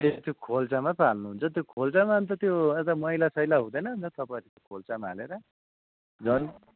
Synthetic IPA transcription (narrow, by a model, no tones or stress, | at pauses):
etit̪jokʰolt͡samapalnuɦunt͡sʰʌt̪jokʰolt͡samant̪ʌt̪joet̪ʌmʌilasʌjlaɦũd̪ʌjnʌɦunt͡sʰʌt̪ʌpaɾik̪okʰolt͡samaːleɾʌ | d͡zʌn